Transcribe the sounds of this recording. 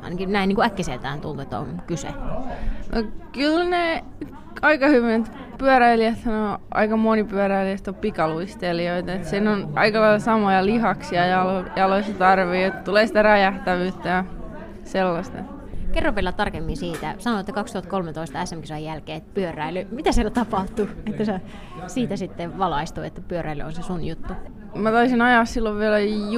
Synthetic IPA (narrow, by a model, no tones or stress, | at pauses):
ɑ̰inɑkinæiniːŋkuækːiselt̪æ̰ːnt̪ult̪uet̪ːo̰ŋkysḛ | nʔo̰kylne | ɑikɑhyʋint̪ | pyœɾæiliæt̪hɑnoʔɑ̰ikɑmonipyæøɾæiliæst̪opikɑluist̪elioit̪ɑet̪siːnonʔɑ̰ikɑlɑilɑsɑmojɑlihɑksiɑjɑlojɑloisːɑt̪ɑrʋiːet̪ːt̪uleːsit̪ærɑjæht̪æʋyːt̪ːæjɑ | selːɑst̪ɑ | kerːopʋelːɑt̪t̪ɑrkemːinsiːt̪æsɑnoet̪ːækɑkst̪uhɑt̪̚kolmet̪oist̪ɑæsːæmkisoɑjjælkeːet̪ːpyørˑæilymit̪æsielæt̪ɑpɑht̪uet̪ːæse | siːt̪æsit̪ːeʋɑlɑist̪uːet̪ːæpyøɾæily̰onsesunjut̪ːu | mæt̪ɑisinɑjɑːssilːoʋʋielæ